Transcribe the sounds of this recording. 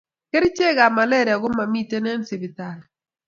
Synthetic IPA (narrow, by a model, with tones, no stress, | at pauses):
ke˦ɾt͡ʃe˦ɡa˨ma˨lɛ˦ɾja˨ɡo˦ma˨mi˦te˦nɛ˦nsi˨bi˨t̪a˨l